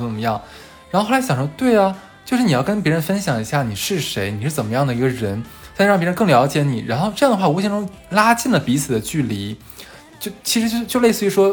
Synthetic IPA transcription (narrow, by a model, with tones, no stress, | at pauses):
ə˨˩mə˦jɑ˥˩ŋ | ɻa˧˥xo˥˧xɕjɑ˨˩ʂwt̪we˥˩ɪɐ˩ | t͡ɕjo˥˧ʊʂɻ̩˥˩i˨˩jɑ˥˩kə˥np̬jɛ˧˥ɻə˧˥nfə˥nɕjɑ˨˩ŋi˧˥ɕja˥˩ni˨˩ʂɻ̩˥˩ʂe˧˥ɪni˨˩ʂɻ̩˥˩t͡sə˨˩nmə˦jɑ˥˩ŋd̪ə˩i˧˥ɡə˧ɻə˧˥na˥˧˥ɑ˥˩pʲjʲɻə˧˥ŋkɤ˥˩ŋljɑ˧˥ʊt͡ɕjɛ˧˥ni˨˩ɻa˧˥nxo˥˧ʊʈ͡ʂɤ˥˧jɑ˥˩ŋd̪ə˧xwa˥˩u˧˥ɕi˥ŋʈ͡ʂʊ˥ŋla˥t͡ɕi˥˩nlə˩pi˧˥t͡s̩ʰ˨˩d̪ə˦t͡ɕy˥˩li˧˥ | t͡ɕjo˥˩ʊt͡ɕʰi˧˥ʂɻ̩˧˥t͡ɕjo˥˧ʊ˧˥t͡ɕjo˥˧ʊle˥˧sɹ̩˥˧˩y˧˥ʂwɔ˥